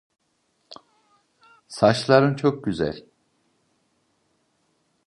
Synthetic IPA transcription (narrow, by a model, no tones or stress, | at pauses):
saʃlˠaɾɯnt͡ʃʰo̞k̚ɟyzæ̰lʲ